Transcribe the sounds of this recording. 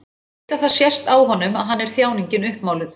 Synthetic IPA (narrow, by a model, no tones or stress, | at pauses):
t̪aθasjɛst̪aːwɦɔnːʏma̰ðɦanːɛɾ̥θjaːwniɲcɪnʏhpmawlɪð